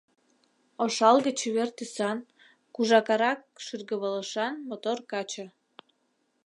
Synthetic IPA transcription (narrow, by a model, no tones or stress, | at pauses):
oʃɑlɣə̆t͡ɕβert̪ysɑn | kuʒɑkɑɾɑk̚ʃyrɣəβələʃɑnmot̪orkɑt͡ɕə̆